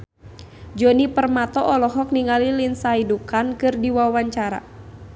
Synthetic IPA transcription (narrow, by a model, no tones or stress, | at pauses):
d͡ʒɔnipərmat̪ɔʔɔlɔɦɔk̚niŋalilinsaidukankɨrdiwawaɲt͡ʃaɾa̰